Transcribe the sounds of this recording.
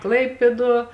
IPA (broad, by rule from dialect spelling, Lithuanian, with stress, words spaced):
ˈklˠɐɪpʲeːˌduɔ